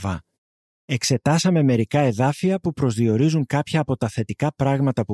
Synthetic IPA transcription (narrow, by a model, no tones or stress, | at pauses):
vɐ | e̞kse̞t̪ɐsɐme̞me̞ɾikɐe̞ðɐfiɐpupɾo̞zðio̞ɾizuŋkɐpçɐːpo̞t̪ɐθe̞t̪ikɐpɾɐɣmɐt̪ɐpu